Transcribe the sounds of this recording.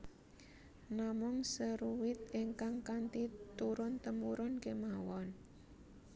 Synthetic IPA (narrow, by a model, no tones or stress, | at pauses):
namʊŋsəɾuwɪt̪̚iŋkaŋkant̪it̪uɾʊnt̪əmuɾʊnkemawɔn